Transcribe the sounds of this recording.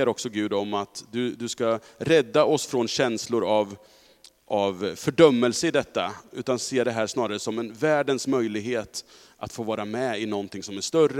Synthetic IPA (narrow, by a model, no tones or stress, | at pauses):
əɾɔksɔɡʉ̟ːd̪ɔmat̪d̪ɵd̪ɵskaɾɛd̪ːaɔsfɾɔnɕɛnslʊɾav | ʔavfœɖœmːəlsəɪd̪ɛt̪ːaʉ̟ːt̪anseːd̪ɛɦæːʂnɑːɾaɾəsɔmɛnvæːɖənsmœjlɪɡɦeːt̪ | ʔa̰t̪foːvɑːɾamɛɪnɔnt̪ʰɪŋsɔmæʂt̪œrːə